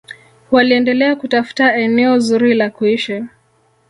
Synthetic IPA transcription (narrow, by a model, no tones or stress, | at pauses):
waliɛndɛlɛakutafu̥taɛnɛɔzuɾilakuiʃa